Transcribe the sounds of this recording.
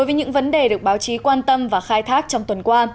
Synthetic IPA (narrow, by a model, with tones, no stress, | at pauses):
jvəː˨˦ɲɨ̰˧˥ŋvə˨˦nɗe˨˩ɗɨ˨˩ək̚ɓaː˨˦wt͡ɕi˨˦kwaː˧nt̪ə˧mvaː˨˩xaː˧jt̪ʰaː˦˥k̚t͡ɕɔ˧wŋ͡mt̪wə˨˩nkwaː˧